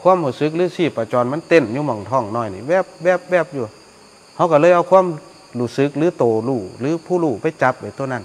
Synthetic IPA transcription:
kʰuː˧˥˨mhuː˧˩sɯ˧˦k̚lɯː˧˥˨siː˧˩paː˨˧˩t͡ɕɔː˨nma˧˥˨nt̪e˧˩˨njuː˧˩mɔ˨˩ŋt̪ʰɔː˧˩˨ŋnɔː˧˩˨jniː˧˩bɛː˧˩p̚bɛː˧˩p̚bɛː˧˩p̚juː˧˩˨ | ha˧˩wka˧˩lɤː˧˨jʔa˧wkʰwaː˧˥˨m | luː˧˩sɯ˧˦k̚lɯː˧˦t̪oː˨˩luː˧˩lɯː˨˦pʰuː˧˩˨luː˧˩pa˧˩jt͡ɕa˧˦p̚ːa˨jt̪o˧˨na˧˨n

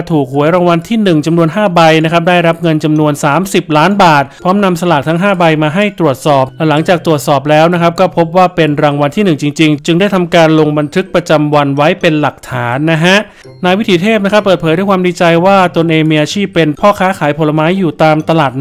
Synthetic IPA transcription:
t̪ʰuː˨˩k̚hu˩˦əjɾaː˧ŋwa˧nt̪ʰiː˥˩nɯ˨˩ŋt͡ɕa˧mnu˧ənɦaː˥˩ba˧jna˦˥kʰa˦˥p̚daː˥˩jɾa˦˥p̚ŋɤ˧nt͡ɕa˧mnu˧ənsaː˩˦msi˨˩p̚laː˦˥nbaː˨˩t̪̚pʰɾɔː˦˥mna˧msa˧laː˨˩k̚t̪ʰa˦˥ŋɦaː˥˩ba˧jmaː˧ɦa˥˩jt̪ɾu˨˩ət̪̚sɔː˨˩p̚llɛ˦˥la˩˦ŋt͡ɕaː˨˩k̚t̪ɾu˨˩ət̪̚sɔː˨˩p̬̚lɛː˦˥wna˦˥kʰa˦˥p̚kɔː˥˩pʰo˦˥p̚waː˥˩pe˧nɾaː˧ŋwa˧nt̪ʰiː˥˩nɯ˨˩ŋt͡ɕi˧ŋt͡ɕi˧ŋt͡ɕɯ˧ŋdaː˥˩jt̪ʰa˧mkaː˧nlo˧ŋba˧nt̪ʰɯ˦˥k̚pɾa˧t͡ɕa˧mwa˧nwa˦˥jpe˧nla˨˩k̚t̪ʰaː˩˦nːa˦˥ɦa˦˥ʔ | naː˧jwi˦˥t̪ʰiː˩˦t̪ʰeː˥˩p̚n˦˥kʰɾpːəɤː˨˩t̪̚ʰːdu˥˩jkwaː˧mndiː˧t͡ɕa˧jwaː˥˩t̪o˧nʔeː˧ŋmiː˧ʔaː˧t͡ɕʰiː˥˩pːe˧npʰɔː˥˩kʰaː˦˥kʰaː˩˦jpʰo˧la˧maː˦˥jːuː˨˩t̪aː˧mt̪a˧laː˨˩t̪̚

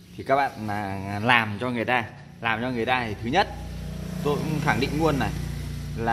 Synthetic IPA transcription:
t̪ʰi˨˩kaː˦˥k̚ɓa̰ː˧˨naː˨˩laː˨˩mt͡ɕɔ˧ŋɨ˨˩əjt̪aː˧ | laː˨˩mt͡ɕɔ˧ŋɨ˨˩əjt̪aː˧t̪ʰi˨˩t̪ʰɨ˨˦ɲə˦˥t̚t̪o˧jŋ͡mxaː˧˩ŋɗḭ˧˨ŋ̟ŋu˧ənːa˨˩jlaː˨˩

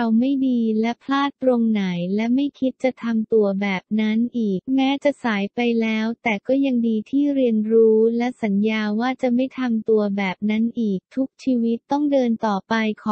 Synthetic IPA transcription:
a˧wma˥˩jdiː˧lɛ˦˥pʰlaː˥˩t̪ːɾo˧ŋna˩˦jlɛ˦˥ma˥˩jkʰi˦˥t̪̚t͡ɕa˨˩t̪ʰa˧mt̪u˧ɐbɛː˨˩p̚na˦˥nʔiː˨˩k̚mɛː˦˥t͡ɕa˨˩ʔsaː˩˦jpa˧jlɛː˦˥wt̪ɛː˨˩kɔː˥˩ja˧ŋdiː˧t̪ʰiː˥˩ɾi˧ənɾuː˦˥lɛ˦˥sa˩˦njaː˧waː˥˩t͡ɕa˨˩ma˥˩jt̪ʰa˧mt̪u˧ɐbɛː˨˩p̚na˦˥nʔiː˨˩k̚t̪ʰu˦˥k̚t͡ɕʰiː˧wi˦˥t̪ːɔ˥˩ŋdɤː˧nt̪ɔː˨˩pa˧jkʰɔː˨˦

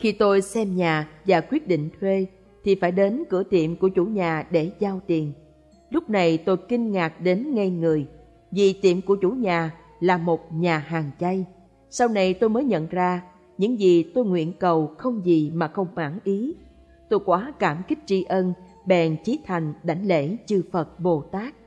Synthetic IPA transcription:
xi˧t̪o˧jsɛ˧mɲaː˨˩vaː˨˩kwi˦˥ət̚ɗḭ˧˨ŋ̟t̪ʰwe˧ | t̪ʰi˨˩faː˧˩jɗe˨˦nkɨ̰˧˩ət̪ḭ˧˨əmku˧˩ət͡ɕu˧˩ɲaː˨˩ɗe˧˩zaː˧wt̪i˨˩ən | lʊ˦˥k͡p̚na˨˩jt̪o˧jki˧ŋŋaː˨˩k̚ɗe˨˦nŋa˧jŋɨ˨˩əj | zi˨˩t̪ḭ˧˨əmku˧˩ət͡ɕu˧˩ɲaː˨˩ | laː˨˩mo˨˩t̚ɲaː˨˩ɦaː˨˩ŋt͡ɕa˧j | sa˧wna˧jt̪o˧jməː˨˦jɲə̰˧˨nzaː˧ | ɲɨ̰˧˥ŋzi˨˩t̪o˧jŋwḭ˧˨ənkə˨˩wxə˧wŋ͡mzi˨˩maː˨˩xə˧wŋ͡mma̰ː˧˩nʔi˨˦ | t̪o˧jkwaː˨˦kaː˧˩mki˦˥k̟̚t͡ɕi˧ʔə˧n | ɓɛ˨˩nt͡ɕi˨˦t̪ʰa˨˩jŋ̟ɗa˨˩jŋ̟lḛ˧˥t͡ɕɨ˧fə˨˩t̚ɓo˨˩t̪aː˦˥k̚

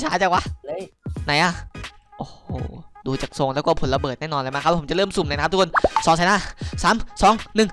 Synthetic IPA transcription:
t͡ɕʰaː˨˦jt͡ɕaː˨˩kwa˧˥˧ | na˨˦jʔaː˧˩ʔoː˨˩ho˨˩duː˧t͡ɕaː˨˩k̚so˧ŋlɛː˦˥wkɔ˥˩pʰo˨˩˦la˧bɤː˨˩t̪̚nɛː˥˩nɔː˧nla˧˩ma˦˥kʰa˦˥p̚ʰːt͡ɕa˨˩ɾɤː˥˩msu˨˩mlːna˧˦˥t̪ʰːkʰnsɔː˨˩˦ŋsaː˨˦haː˥˩saː˩˦msɔː˨˦ŋnɯ˨˩ŋ

